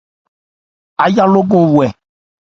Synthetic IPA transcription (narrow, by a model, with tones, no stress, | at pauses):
a˨ja˦lo˦ɡɔ̃˨wu˨ɛ˨